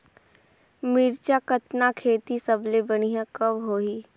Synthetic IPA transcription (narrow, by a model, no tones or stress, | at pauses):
miːɾt͡ʃakət̪nakʰeːt̪isɐblebɐñiɦãkɐbɦoːiː